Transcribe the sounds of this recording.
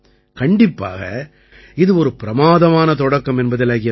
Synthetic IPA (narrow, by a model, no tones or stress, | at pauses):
kɐɳɖɪpːa̰ːɣɐ̰ | ɪðɯɔɾɯpɪɾɐmaːðɐmaːnɐt̪ɔɽɐkːɐmɛnbɐðɪlɐɣɪjɐ